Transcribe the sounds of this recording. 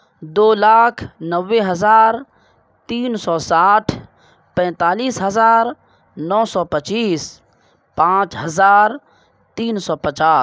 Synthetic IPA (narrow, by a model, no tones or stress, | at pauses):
d̪oːlaːkʰnəʋːeɦəzaːɾ | t̪iːnsɔːsaːʈʰ | pɛ̃ːt̪aːliːsɦəzaːɾ | nɔːsɔːpət͡ʃiːs | pãːt͡ʃɦɐzaːɾ | t̪iːnsɔːpət͡ʃaː